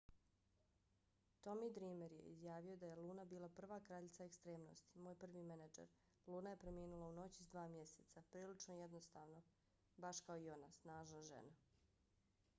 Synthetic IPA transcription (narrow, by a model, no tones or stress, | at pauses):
t̪o̞mid̪ɾiːmeɾjḛḭzjaːʋio̞d̪aje̞luːnabiːlˠapr̩ʋaːkɾaʎit̪saekst̪ɾeːmno̞̰st̪i̥moːjpr̩ʋimenad͡ʒḛɾ | lˠuːnaje̞pɾe̞miːnulˠauno̞t͡ɕi̥zd̪ʋaːmje̞set̪sapɾiːlit͡ʃnojed̪no̞st̪aːʋno̞ | baʃkaoio̞nasnaːʒnaʒe̞̰na